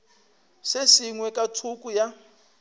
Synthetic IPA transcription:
sesiŋwɛkʼatʰukʼuja

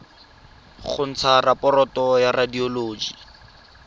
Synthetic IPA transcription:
χʊn̩t͡sʰarapɔɾɔtɔjaradioloːd͡ʒi

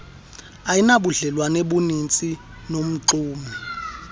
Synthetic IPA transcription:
ajinaɓuɮɛlwaneɓunint͡sʼi | nom̩ǁuːmi

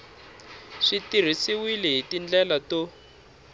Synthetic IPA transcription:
ʂitir̤isiwilɛɦitind͡ɮɛlato

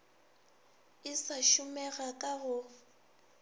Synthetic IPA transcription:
ɪsaʃʊmɛɣakʼaɣʊ

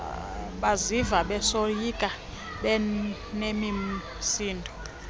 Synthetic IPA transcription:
ɓazivaɓɛsojikʼa | ɓɛ | nemi | siːndʱɔ

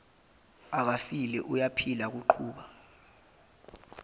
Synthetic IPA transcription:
ak̬afilɛʔujapʰilak̬uǃʰuːɓa

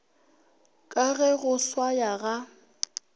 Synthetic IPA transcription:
kʼaɣɛɣʊswajaɣa

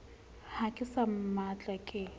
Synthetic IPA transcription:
hakʼɪsammat͡ɬʼakʼɪ

